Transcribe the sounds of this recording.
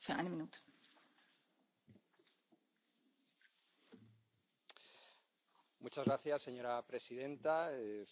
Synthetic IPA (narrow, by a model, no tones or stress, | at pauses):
feʔa̰jnəmĩnuːt̪ | mut͡ʃazɣɾaθjasːe̞ɲo̞ɾapɾe̞siðe̞nt̪ae